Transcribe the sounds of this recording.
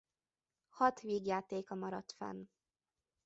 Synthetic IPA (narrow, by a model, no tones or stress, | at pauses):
hɒt̪ʋiːɡjaːt̪eːkɒmɒɾɒt̪fɛ̰n